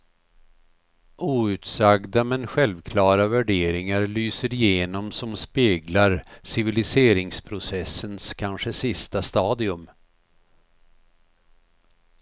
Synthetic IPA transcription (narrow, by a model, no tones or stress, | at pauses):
ʔuːʉ̟ːt̪saɡd̪amɛnɧɛlvkʰlɑːɾavæɖeːɾɪŋaɾɭyːsəɾɪjeːnɔmsɔmspeːɡlaɾsɪvɪlɪseːɾɪŋspʰɾʊsɛsːənskʰanʂəsɪst̪ast̪ɑːd̪ɪɵm